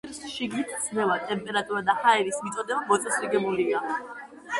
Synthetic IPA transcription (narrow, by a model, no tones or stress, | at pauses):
ɾsʃiɡnit̪ʰd̪sʰnɛvat̪ʼɛmpʼɛɾat̪ʼuɾad̪ahaɛɾismit̪sʼɔd̪ɛbamɔt̪sʼɛsɾiɡɛbulia